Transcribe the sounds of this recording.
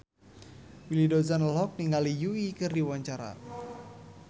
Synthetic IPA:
wilidozanlɔk̚niŋɡalijuikɨrdiwaɲt͡ʃaɾa̰

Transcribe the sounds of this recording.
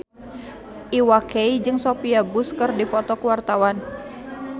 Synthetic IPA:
ʔiwakeid͡ʒɨŋsopiabuskərdipɔt̪ɔkəwart̪awan

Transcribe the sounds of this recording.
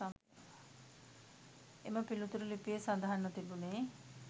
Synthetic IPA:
emɐpilut̪uɾulipijesɐnd̪aɦɐnːɔt̪ibuneː

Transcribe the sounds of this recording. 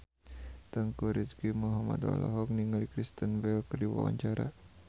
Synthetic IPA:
t̪əŋkuɾiskimuɦama̰d̪a̰la̰ɦɔk̚niŋalikɾist̪ənbɛlkərdiwa̰wa̰ɲt͡ʃaɾa̰

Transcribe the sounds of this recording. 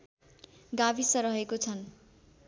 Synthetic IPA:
ɡabisʌɾʌɦekot͡sʰʌn

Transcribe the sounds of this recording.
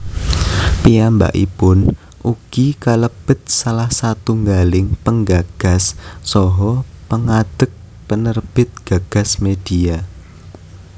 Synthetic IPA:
piamba̰ʔḭpʊn | ʔuɡ̥ikaləb̥ə̤t̪̚salahsat̪uŋɡalɪŋpəŋɡaɡ̥a̤sːɔɦɔpəŋad̪̥ə̤k̚ | pənərb̥ɪt̪̚ɡ̥a̤ɡ̥a̤smed̥ia

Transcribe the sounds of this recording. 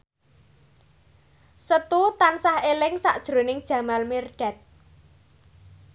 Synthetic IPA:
sət̪ut̪ansahelɪŋsa̰ʔd̥ʒ̥ɾonɪŋd̥ʒ̥ä̤malmirɖ̥a̤t̪̚

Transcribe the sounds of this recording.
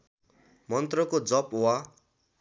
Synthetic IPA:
mʌnt̪rʌkod͡zʌpwa

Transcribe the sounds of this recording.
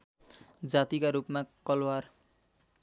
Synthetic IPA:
d͡zat̪ikaɾupmakʌlwar

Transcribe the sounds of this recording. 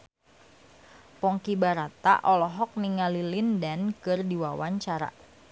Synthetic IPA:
pɔŋkibaɾat̪a̰ʔɔlɔɦɔk̚niŋalilindankɨrdiwawaɲt͡ʃaɾa̰

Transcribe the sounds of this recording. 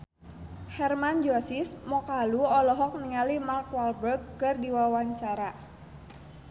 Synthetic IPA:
hɛrmand͡ʒɔsismɔkaluɔlɔɦɔk̚niŋalimarkwalbərɡ̚ːɨrdiwawaɲt͡ʃaɾa

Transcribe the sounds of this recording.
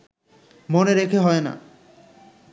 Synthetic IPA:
moneɾekʰeɦɔena̰

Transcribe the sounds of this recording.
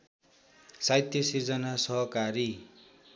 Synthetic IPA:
sajt̪jʌsird͡zʌnasʌɦʌkaɾi

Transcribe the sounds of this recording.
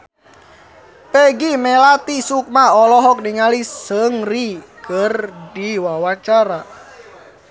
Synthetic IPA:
peɡimɛlat̪isuk̚maɔlɔɦɔk̚niŋalisəŋrikərdiwawat͡ʃaɾa

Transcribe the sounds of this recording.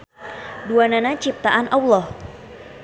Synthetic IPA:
duananat͡ʃip̚t̪aʔanʔawlɔh

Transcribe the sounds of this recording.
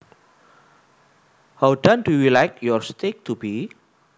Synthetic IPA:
hawdãndujulajkjɔɹst̪ek̚t̪ubi

